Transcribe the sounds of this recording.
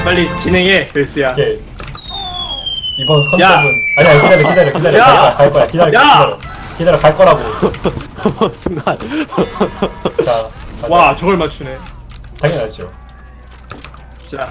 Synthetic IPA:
p͈aɭːit͡ɕinɦeŋeeɭs͈ɯjake | ibʌnkʰʌnaɡɯnaɲiakidaɾekidaɾokidaɾeakaɭ͈ʌkaɭk͈ʌɾakidaɾaaɾo | kidaɾokaɭk͈ʌɾaɡo | sʰeŋɡaan | t͡ɕaawat͡ɕʌɡʌɭmat͡ɕʰune | taŋjʌnɦaɭɕ͈io | a

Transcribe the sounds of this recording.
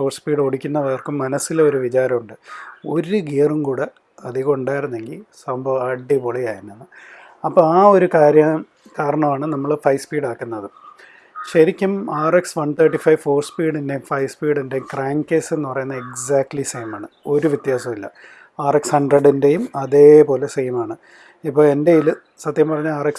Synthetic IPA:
fo̞ːrspiːɽoɽikʲːunːɐʋɐrkumːɐnɐsːileo̞ɾuʋit͡ɕaːɾɐmuɳɖɨo̞ɾuɡeːɐrumkuːɽe | ɐðɨko̞ɳɖaːjiɾunːe̞ŋɡilsɐmbʱɐʋɐɖːipoːɭejaːjiɾunːɐnːɨ | ɐpːoːaːo̞ɾukaːɾjɐ | kaːɾɐɳɐmaːɳɨnɐmːɐɭfɐjspiːɽaːkːunːɐðɨ | ɕɐɾikʲːumaːreksʋɐɳt̪ʰɐːʈːifɐjʋfo̞ːrspiːɽinde̞jumfɐjspiːɽindejumkraːŋke̞ːsenːupɐrɐjunːɐeksaːk̚ʈlisejmaːɳɨo̞ɾuʋjit̪jaːsɐmilːɐ̰ | aːrekshɐɳɖrɐɽinde̞jumɐðe̞ːpo̞ːle̞sejmaːɳɨ | ipːo̞ːɭe̞nde̞jilɨ | sɐt̪jɐmpɐrɐɲːuaːreks

